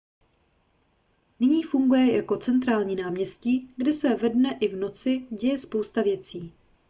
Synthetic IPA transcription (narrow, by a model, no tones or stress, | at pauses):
nɪɲiːfuŋɡujɛjako̞t͡sɛnt̪ɾaːlɲiːnaːmɲɛsciːɡdɪsɛvɛdnɛʔɪvno̞t͡sɪɟɛjɛspo̞wst̪avjɛt͡siː